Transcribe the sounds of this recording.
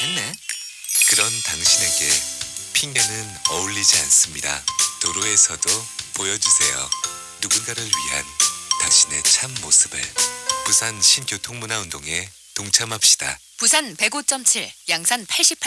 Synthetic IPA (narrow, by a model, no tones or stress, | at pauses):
enːe | kɯɾʌntaŋɕʰine̞ɡe̞pʰiŋɡenɯnʌuɭːid͡ʑia̰ns͈ɯmɲida̰toɾoe̞sʰʌdopojʌd͡ʑusʰe̞jo̰ː | uɡunɡaɾɯɭɥiɦa̰ntaŋɕʰine̞t͡ɕʰamːosʰɯbɯ̰ɭpusʰanɕʰimkjotʰoŋmunaundoŋe̞ | toŋt͡ɕʰamɦap̚ɕ͈i̥d̥a̰ | pusʰanpe̞ɡot͡ɕ͈ʌmt͡ɕʰiɭjaŋsʰanpʰaɭɕ͈ipʰ